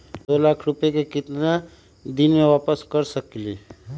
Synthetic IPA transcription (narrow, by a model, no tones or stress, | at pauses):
d̪oːlaːkʰɾʊpjekekɪt̪na | d̪ɪnmẽʋaːpəskəɾsəkliː